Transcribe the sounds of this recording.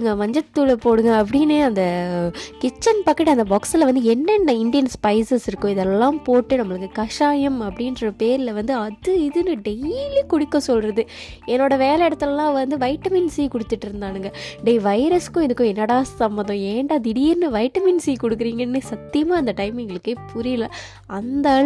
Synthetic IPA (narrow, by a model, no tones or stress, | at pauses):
ɯŋɡɐmɐɲd͡ʒɐt̪ːulɐpoːɽɯŋɡɐɐp̬ːɐɽɪnːɯɐnd̪ɐkɪt͡ʃːɐnpɐkːɐʈːɐnd̪ɐbaːksɪlɐʋɐnd̪ɯɛnːɐnːɐɪɳɖɪjɐnspɐɪsɐsɪɾɯkːʊ̃ɪðɛlːãːpoːʈːɯnɐmːɐɭɯkːɯkɐʂaːjɐmɐpːɐɽɪnɾɐpeːɾɪlɐʋɐnd̪ɯɐðɯɪðɯnɯɖejlikʊɽɪkːõsɔlɾɐðɯ | ɛnːoːɽɐʋeːlɛɛɽɐt̪ːɐllːãːʋɐnd̪ɯʋɐɪʈːɐmɪnsɛjːkɔɽɯt̪ːɯʈːɪɾɯnd̪aːnɯŋɡɐɖeːʋɐɪɾɐskʊ̃ɪðɯkːʊ̃ɛnːɐɽaːssɐmbɐnd̪ɐ̃eːɳɖaːðɪɽɪjɪɾnːɯʋɐɪʈːɐmɪnsɛjːkɔɽɯkːɯɾiːŋɡɐnːɯsɐt̪ːɪjɐmaːɐnd̪ɐʈɐɪmɪŋɡɐɭɯkːepʊɾɪlɐ | ɐnd̪ɐɭ